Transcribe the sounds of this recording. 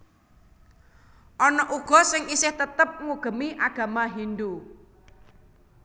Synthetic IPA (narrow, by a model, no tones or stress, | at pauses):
ʔɔnɔʔuɡ̥ɔ̤sɪŋisɪht̪ət̪əp̚ŋuɡ̥ə̤miʔaɡ̥a̤maɦind̪u